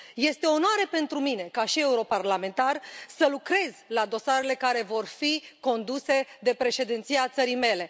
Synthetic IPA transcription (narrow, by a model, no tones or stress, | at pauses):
je̞st̪e̞o̞nowaɾepe̞nt̪ɾumine̞kaʃie̞uɾo̞parlame̞nt̪arsəlukɾe̞zlad̪o̞saɾe̞le̞kaɾe̞vo̞rfiko̞nd̪use̞d̪e̞pɾe̞ʃe̞d̪int̪siat̪səɾijme̞le̞